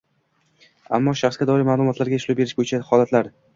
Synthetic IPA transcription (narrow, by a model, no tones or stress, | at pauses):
a̰mːɒʃaχsɡʲad̪ɒɾɪɾmaːlˠʊmɒt̪laɾɡʲaʃlʊbe̞ɾɪʃbojɪt͡ʃʰahɒlat̪laɾ